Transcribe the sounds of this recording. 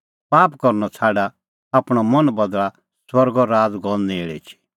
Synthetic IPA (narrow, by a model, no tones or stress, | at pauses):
paːpkɔɾnɔt͡sʰaːɖa | aːpɽ̃ɔmɐnbɐd̪ɭa | swɐɾɡɔɾaːd͡zɡɔ̃neːɭɛ̰t͡ʃʰi̥